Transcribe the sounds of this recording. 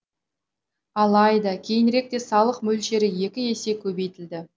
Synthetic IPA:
ɑlˠɑjd̪ɑkʲʰe̞jɪnɾe̞k̚t̪e̞sɑlˠəqmɵlʃe̞ɾɪje̞kʲɪe̞se̞kʲʰɵbe̞jt̪ɪld̪ɪ

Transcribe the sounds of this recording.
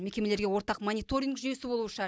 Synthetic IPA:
mekʲe̞me̞leɾɡʲe̞wo̞ɾt̪ɑqmonʲijt̪o̞ɾʲiŋɡʒyje̞sɪbo̞lˠuʃɑ

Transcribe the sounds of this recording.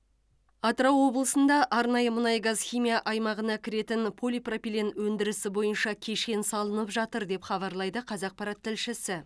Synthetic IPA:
ɑt̪ɾɑwːo̞blˠəsənd̪ɑʔɑɾnɑjəmʊnɑjəɡɑzχijmʲijɑʔɑjmɑʁənɑkʲʰɪɾe̞t̪ɪnpʰo̞lʲipropʲilʲenwɵnd̪ɪɾɪsɪbo̞jənʃɑkʲʰe̞ʃkʲe̞nsɑlˠənəpʒɑt̪əɾd̪e̞pχɑβɑɾlˠɑjd̪əqʰɑzɑq̚pɑɾɑt̪ʰːɪlʃɪsɪ

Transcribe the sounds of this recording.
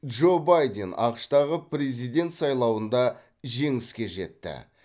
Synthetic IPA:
dʒo̞bajd̪e̞nɑ̰qəʃt̪ɑʁəpɾe̞zijd̪e̞nt̪sɑjlˠɑwənd̪ɑ | ʒe̞ŋɪskʲe̞ʒe̞̰t̪ːɪ̰

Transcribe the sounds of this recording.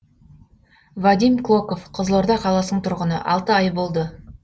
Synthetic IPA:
vad̪ijmklˠo̞ko̞fqʰəzlˠoɾd̪ɑqʰɑlˠɑsənəɴt̪ʰʊɾʁənə̰ʔɑlˠt̪əɑjbo̞lˠd̪ə

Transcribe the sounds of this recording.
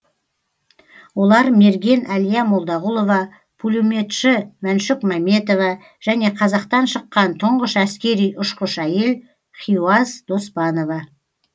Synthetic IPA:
wo̞lˠɑɾme̞ɾɡʲe̞nælijɑmo̞lˠd̪ɑʁulˠo̞vɑ | pʰulʲume̞t̪ʃɪmænʃɪkmɑme̞t̪o̞vɑ | ʒ̥æne̞qʰɑzɑqt̪ɑnʃəqːɑnt̪ʰəɴʁəʃæskʲe̞ɾijʔʊʃqəʃæje̞l | χiuɑzd̪̥o̞spɑno̞vɑ

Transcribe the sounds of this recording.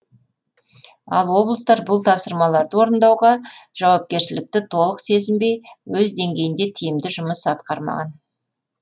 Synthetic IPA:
ɑ̰lˠwo̞blˠəst̪ɑɾbʊlˠt̪ʰɑpsəɾmɑlˠɑɾd̪əwo̞ɾənd̪ɑwʁɑʒ̥ɑwɑp̚kʲe̞ɾʃɪlɪk̚t̪ɪt̪ʰo̞lˠəqse̞zɪmbe̞jwɵzd̪e̞ŋɡʲe̞jɪnd̪e̞t̪ʰijɪmd̪ɪʒʊməsɑt̪̚qɑɾmɑ̰ʁɑn

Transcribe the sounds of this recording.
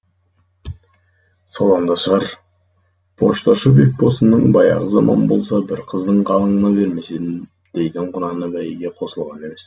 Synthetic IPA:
sɑlˠɑɴd̪ɑʃəʁɑɾ | pʰo̞ʃt̪ɑʃəbe̞k̚bo̞sənːəɴbɑjɑ̰ʁəzɑmʔɑ̰nbo̞̰lˠsɑbɪɾqʰəzd̪əɴqʰɑlˠəɴənɑbe̞ɾme̞sed̪ | d̪̥e̞jd̪ɪɴqʰʊnɑnəbæjɡʲe̞qʰo̞səlˠʁɑne̞me̞s

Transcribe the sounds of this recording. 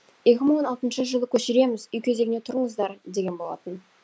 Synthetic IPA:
je̞kʲɪməɴwo̞nɑlˠt̪ənʃəʒəlˠəkʲʰɵʃɪɾe̞mɪzʏjkʲʰe̞ze̞ɡʲɪne̞t̪ʰʊɾəɴəzd̪ɑɾd̪e̞ɡʲe̞nbo̞lˠɑ̰t̪ən

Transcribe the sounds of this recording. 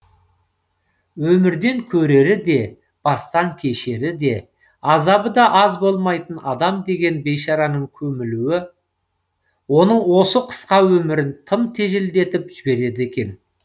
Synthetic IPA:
wɵmɪɾd̪e̞ŋkʲʰɵɾe̞ɾɪd̪e̞ | b̥ɑst̪ɑŋkʲʰe̞ʃe̞ɾɪd̪e̞ | ɑzɑbəd̪ɑʔɑzbo̞lˠmɑjt̪ənɑd̪ɑmd̪e̞ɡʲe̞nbe̞jʃɑɾɑnəɴkʲʰɵmɪluwɪ | wo̞nəɴwo̞səqʰə̥sqɑwɵmɪɾɪnt̪ʰəmt̪ʰe̞ʒɪld̪e̞t̪ɪpʒ̥ɪbe̞ɾe̞d̪ɪe̞kʲe̞n

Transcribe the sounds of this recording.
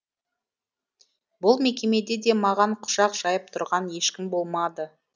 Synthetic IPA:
bʊlˠme̞kʲe̞me̞d̪e̞d̪e̞mɑʁɑɴqʰʊ̥ʃɑqʒ̥ɑjəp̚t̪ʰʊɾʁɑnje̞ʃkʲɪmbo̞lˠmɑd̪ə

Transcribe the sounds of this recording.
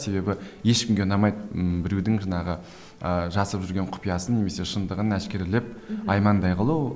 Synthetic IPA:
se̞be̞bɪje̞ʃkʲɪmɡʲeʊnɑmɑjd̪bɪɾewd̪ɪŋʒɑnɑʁə | əʒɑsəɾəpʒʏɾɡʲeɴqʰʊ̥pijɑsənne̞me̞se̞ʃənd̪əʁənæskʲe̞ɾɪlep̚ɑjmɑnd̪ɑjqʰəlˠu

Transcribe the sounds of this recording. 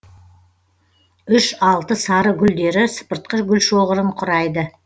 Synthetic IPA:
ʏʃɑlˠt̪əsɑɾəɡʲʏld̪e̞ɾɪsə̥pəɾt̪̚qəʃɡʲʏlʃoʁəɾəɴqʰʊɾɑjd̪ə

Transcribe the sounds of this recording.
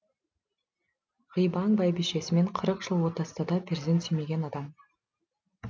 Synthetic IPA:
ʁəjbɑŋbɑjbiʃe̞sɪme̞ɴqʰəɾəqʒ̥ɨlˠwo̞t̪ɑst̪ɑd̪ɑpʰʲeɾzensijme̞ɡʲe̞nɑd̪ɑm

